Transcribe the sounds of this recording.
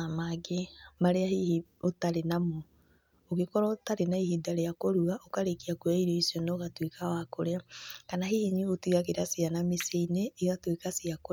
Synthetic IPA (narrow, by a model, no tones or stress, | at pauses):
amaɡemaɾeahihiotaɾenamo | oɣekɔɾɔtaɾenaihidaɾejakoɾuaʔokaɾekiakoaiɾeisjɔnɔoɣatwekawakoɾeakanaɦihiɲiotwiɣaɣeɾasianameseineːɣatwekasiako